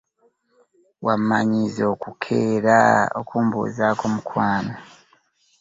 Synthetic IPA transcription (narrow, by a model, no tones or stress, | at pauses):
wamːaɲizo̞ːkukʰe̞ːɾao̰kuːmbṵːzaːkomukwaːno